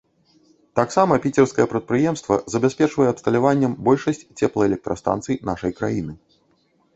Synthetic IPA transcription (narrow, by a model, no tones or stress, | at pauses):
t̪aksamɐpʲit͡sʲɛrskɐjɛpɾɐt̪̚pɾɨjɛmst̪vɐ̰zɐbʲasʲpʲɛt͡ʂvɐjɛɐpst̪ɐlʲavanʲːɐmbɔlʲʂɐsʲt͡sʲt͡sʲɛplˠɐɛlʲɛk̚t̪ɾɐst̪a̰nt̪sɨjinaʂɐjkɾajinɨ